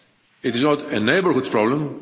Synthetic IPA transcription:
ɪtɪznɔtəneɪbəɹhutspɹɔblə̃m

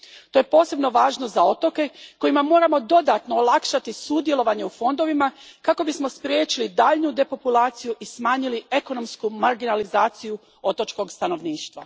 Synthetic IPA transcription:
t̪ojepo̞ːse̞bno̞ʋaːʒnozao̞t̪o̞ke̞ko̞jimamo̞ːɾamo̞d̪o̞d̪at̪no̞ːlˠakʃat̪isud̪je̞lˠo̞ʋaɲe̞ufo̞nd̪o̞ʋimakako̞bismo̞spɾʲjeːt͡ʃilid̪aːʎnud̪e̞po̞pulaːt̪sijuʔismaːɲilie̞ko̞no̞mskumaɾɡinalizaːt̪siju | o̞t̪o̞t͡ʃko̞ɡst̪ano̞ʋniːʃt̪ʋa̰

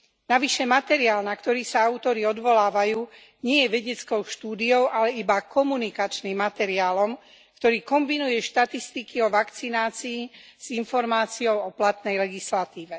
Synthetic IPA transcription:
naʋiʃɛmat̪ɛɾiaːlnakt̪ɔɾiːsaaʊt̪ɔɾiɔd̪ʋɔlaːʋajuː | ɲɪɛjɛʋɛɟɛt͡skɔʊʃt̪uːd̪iɔʊʔalɛibakɔmunikat͡ʃniːmːat̪ɛɾiaːlɔm | kt̪ɔɾiːkɔmbinujɛʃt̪at̪ist̪ikiɔʋakt͡sinaːt͡siː | z̥infɔɾmaːt͡siɔʊɔplat̪nɛjlɛɡislat̪iːʋɛ

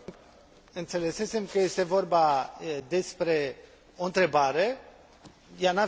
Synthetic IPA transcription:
ɨnt̪se̞le̞se̞se̞mkəje̞st̪e̞vo̞rbad̪e̞spɾe̞ | o̞ɨnt̪ɾe̞baɾe̞ | jana

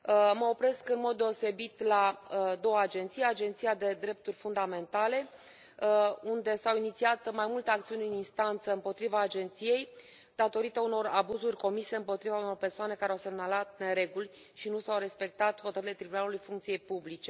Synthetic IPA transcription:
məo̞pɾe̞skɨnmo̞d̪̚ːe̞o̞se̞bit̪lad̪o̞wəad͡ʒe̞nt̪sijad͡ʒe̞nt̪sijad̪e̞d̪ɾe̞p̚t̪urʲfund̪ame̞nt̪ale̞ | und̪e̞sawinit̪siat̪majmult̪eak̚t̪siunʲɨninst̪ant̪səɨmpo̞t̪ɾivaːd͡ʒe̞nt̪sije̞j | d̪̥at̪o̞ɾit̪əuno̞ɾabuzurʲko̞mise̞ɨmpo̞t̪ɾivauno̞rpe̞rsoane̞kaɾeawse̞mnalat̪ne̞ɾe̞ɡulʲ | ʃinusawɾe̞spe̞k̚t̪at̪xo̞t̪əɾile̞t̪ɾibunalulujfuŋkt̪sijejpublit͡ʃe̞

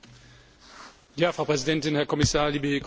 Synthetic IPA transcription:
jaːfʁ̥ɑʊpʁ̥ɛzidɛntɪnhɛɐkʰɔmɪsaːɐliːbəkʰ

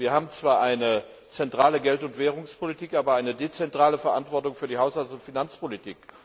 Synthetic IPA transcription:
viːɐɦaːbm̩t͡sv̥aːɐʔaɪnə | t͡sɛntʁ̥aːləɡɛltʊntv̥ɛːʁ̞ʊŋspʰolitʰiːkʔaːbɐaɪnədet͡sɛntʁ̥aːləfɛɐʔa̰ntv̥ɔɐtʊŋfyːɐdiːɦaʊshalt͡sstʊntfinant͡spolitʰiːk

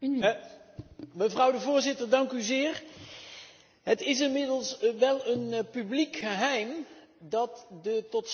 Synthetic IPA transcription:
məvrʌwdəvʊːɹzɪtəɹdɑŋkyzɪːɹ | ɦətɪs̬ɪnmɪdəlˠsʋɛlˠənpyblikχəɦɛjmdɑtdətɔts

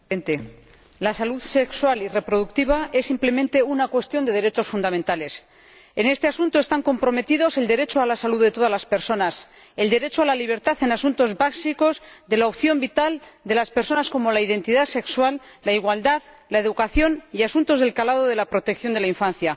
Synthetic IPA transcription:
ent̪e | lasaluðse̞kswalire̞pɾo̞ð̞uk̚t̪iβ̞ae̞sːimple̞mẽ̞nt̪e̞unakwe̞st̪jo̞nd̪e̞ðe̞ɾe̞t͡ʃo̞sfund̪amẽnt̪ale̞s | ene̞st̪e̞asunt̪oest̪aŋko̞mpɾo̞me̞t̪ið̞o̞se̞ld̪e̞ɾe̞t͡ʃoalasaluððet̪o̞ð̞azlaspe̞ɾso̞nas | e̞ld̪e̞ɾet͡ʃoalaliβ̞e̞ɾt̪aθe̞nasunt̪o̞zβaksiko̞zðe̞laopθjo̞mbit̪ald̪e̞laspeɾso̞nasko̞mo̞laiðe̞nt̪iðase̞kswalː | aiɣwald̪að | lae̞ðukaθjo̞niasunt̪o̞zð̞e̞lkalað̞oð̞e̞lapɾo̞t̪e̞kθjo̞nd̪e̞laiɱfanθja

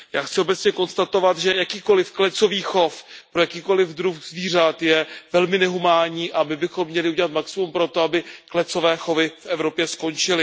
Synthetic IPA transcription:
jaːxt͡sɪo̞bɛtt͡sɲɛko̞nst̪at̪o̞vat̪ʒɛjakiːko̞lɪfklɛt͡so̞viːxo̞fpɾojakiːko̞lɪvd̪ɾuxzviːr̝at̪jɛvɛlmɪnɛɦumaːɲiːʔamɪbɪxo̞mːɲɛlɪuɟɛlat̪maksɪmumpɾo̞t̪o̞abɪklɛt͡so̞vɛːxo̞vɪfʔɛvɾo̞pjɛsko̞nt͡ʃɪlɪ

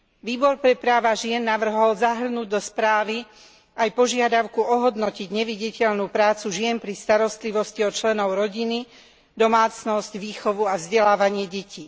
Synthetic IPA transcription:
ʋiːbɔɾpɾɛpɾaːʋaʒɪɛnːaʋr̩ɦɔlzaɦr̩nuːɟd̪ɔspɾaːʋi | ajpɔʒɪad̪aʊkuɔɦɔd̪nɔciɟɲɛʋiɟicɛʎnuːpɾaːt͡suʒɪɛnpɾist̪aɾɔst̪liʋɔsciɔt͡ʃlɛnɔʊɾɔɟini | d̪ɔmaːt͡snɔscʋiːxɔʋuavzɟɛlaːʋaɲɪɛɟɛcʰiː

